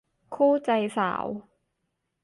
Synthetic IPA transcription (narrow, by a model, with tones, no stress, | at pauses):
kʰuː˥˩t͡ɕa˧jsa̰ː˩˦w